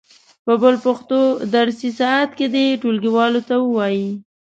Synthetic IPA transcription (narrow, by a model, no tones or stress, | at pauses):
pəbəlpaxt̪od̪aɽsisɑat̪ked̪eʈolɡiwɑlot̪awəwɑji